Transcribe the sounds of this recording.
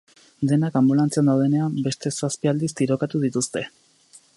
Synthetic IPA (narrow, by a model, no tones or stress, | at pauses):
d̪e̞nakambulant͡seand̪awðene̞ambe̞st̪e̞saspiald̪ist̪iɾo̞kat̪uð̞it̪ust̪e̞